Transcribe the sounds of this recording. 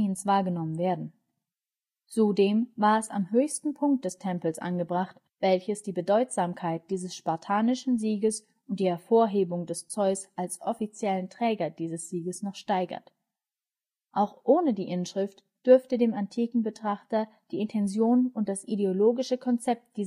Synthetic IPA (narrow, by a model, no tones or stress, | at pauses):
nsv̥aːɐɡənɔmənveːɐdn̩ | t͡sudeːmvaːɐɛsa̰mɦøːçstn̩pʰʊŋk̚t̚d̥ɛstʰɛmpl̩sʔa̰nɡəbʁaχt | v̥ɛlçəsd̥iːbədɔʏtz̥aːmkʰaɪt̚d̥iːzəsʃpaɐtʰaːnɪʃn̩ziːɡəs | ʊntd̥iːhɛɐfoːɐɦeːbʊŋdɛst͡sɔʏsʔalsʔɔfit͡sjɛləntʁ̥ɛːɡɐd̥iːzəsz̥iːɡəsnɔχʃtaɪɡɐ̰t | ʔaʊxʔoːnədiːʔɪnʃʁ̥ɪft | d̥ʏɐftədeːmantʰiːkŋ̩bətʁ̥aχtɐ | d̥iːɪntʰɛnzjoːnʊntd̥asʔideoloːɡɪʃəkʰɔnt͡sɛp̚t̚d̥iːz